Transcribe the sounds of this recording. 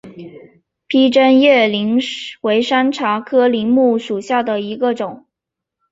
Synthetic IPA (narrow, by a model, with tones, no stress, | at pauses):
pʰi˥ʈ͡ʂə˥njɛ˥˩li˧˥ŋwe˧˥ɪʂa˥nʈ͡ʂʰa˧˥kʰɤ˥li˧˥ŋmu˥˩ʂu˨˩ɕja˥˩d̪ə˩i˧˥ɡə˧ʈ͡ʂʊ˨˩˦ŋ